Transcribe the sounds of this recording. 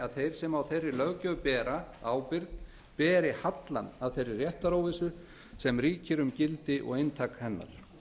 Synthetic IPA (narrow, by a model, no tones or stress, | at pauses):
aðθejɾ̥sɛmawθejrːɪlœɣcœpɛːɾaaːwpɪɾt̪ | pɛːɾɪhat̪la̰naðθejrːɪrːjɛht̪aɾoːwvɪsʏ | sɛmriːcɪɾʏmcɪlt̪ɪʔɔ̰ɣejnt̪ʰaːkhɛnːa̰ɾ̥